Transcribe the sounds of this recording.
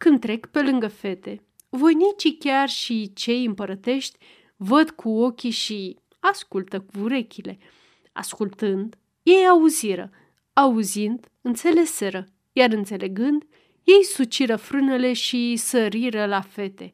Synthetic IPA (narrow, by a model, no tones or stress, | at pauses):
kɨnd̪̚t̪ɾe̞kpe̞lɨŋɡəfe̞t̪e̞ | vo̞jnit͡ʃikʲarʃit͡ʃe̞jɨmpəɾət̪e̞ʃt̪ʲ | vəd̪kʰuo̞kʲiʃi | askult̪əkuɾe̞kʲile̞ | a̰skult̪ɨnd̪ | je̞jauziɾə̰ | auzind̪ | ɨnt̪se̞le̞se̞ɾə | jarɨnt̪se̞le̞ɡɨnd̪ | je̞jsut͡ʃiɾəfɾɨnele̞ʃisəɾiɾəlafe̞t̪e̞